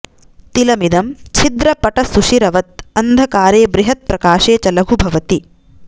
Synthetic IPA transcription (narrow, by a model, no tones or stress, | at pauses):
t̪ilɐmid̪ɐmt͡ʃʰid̪ɾɐpɐʈɐsuʃiɾɐʋɐt̪̚ɐnd̪ʱɐkaːɾeːbɾiɦɐt̪̚pɾɐkaːʃeːt͡ʃɐlɐɡʱubʱɐʋɐt̪i